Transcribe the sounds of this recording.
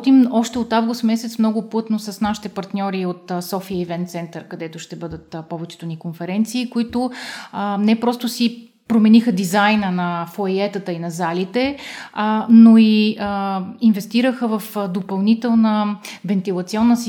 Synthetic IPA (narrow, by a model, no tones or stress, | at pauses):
t̪imɔʃt̪ɛot̪avɡʊst̪mɛsɛt̪smnɔɡʊplˠɤt̪nosəsnaʃi̥t̪ɛpɐɾt̪nʲɔɾiot̪sɔfiəivɛnt̪sɛnt̪əɾkɐd̪ɛt̪ʊʃt̪ɛbɤd̪ət̪pɔvɛt͡ʃɛ̥t̪ʊnikonfɛɾɛnt̪siːkoit̪ʊənɛpɾɔst̪ʊsi | pɾomɛnixəd̪izajnənɐfojɛt̪ət̪əinɐzalit̪ɛ | noiəinvɛst̪iɾəxəvɐfd̪opɐlˠnit̪ɛlˠnəvɛnt̪ilˠɐt̪siɔnːəsi